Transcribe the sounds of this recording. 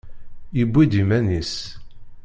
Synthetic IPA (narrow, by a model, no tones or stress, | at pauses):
jəbːid̪imænis